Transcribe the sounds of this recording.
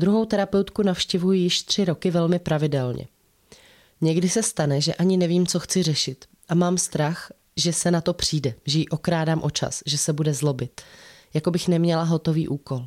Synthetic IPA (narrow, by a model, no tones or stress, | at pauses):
d̪ɾuɦo̞wt̪ɛɾapɛwt̪kunafʃcɛvujɪjɪʃt̪r̝̥ɪɾo̞kɪvɛlmɪpɾavɪdɛlɲɛ̰ | ɲɛɡdɪsɛst̪anɛʒɛʔaɲɪnɛviːmt͡so̞xt͡sɪr̝ɛʃɪt̪ | ʔamaːmst̪ɾax | ʒɛsɛnat̪o̞pr̝̥iːdɛʒɛjiʔo̞kɾaːdaːmʔo̞t͡ʃa̰sʒɛsɛbudɛzlo̞bɪt̪ | jako̞bɪxnɛmɲɛlaɦo̞t̪o̞vḭːʔuːko̞l